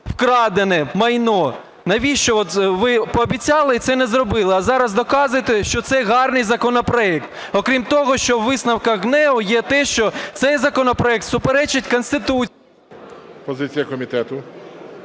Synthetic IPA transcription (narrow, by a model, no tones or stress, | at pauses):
wkɾɑd̪enɛmɐjnɔ | nɐʋʲiʃt͡ʃɔɔt̪ʋɪpɔːbʲit͡sʲɑlˠɪit̪sɛnɛzrɔbɪlˠɪɐzɑɾɐzd̪ɔkɑzʊjet̪eʃt͡ʃɔt̪sɛɦɑrnɪjzɐkɔnɔpɾɔɛk̚t̪ | ɔkɾʲimt̪ɔɦɔʃt͡ʃɔʋɪsnɐwkɐɣnɛʊjɛt̪ɛʃt͡ʃɔt̪sɛjzɐkɔnɔpɾɔɛk̚t̪sʊpeɾɛt͡ʃɪt̚ʲkɔnst̪ɪt̪u | pɔzɪt͡sʲijɐkɔmʲit̪ɛt̪ʊ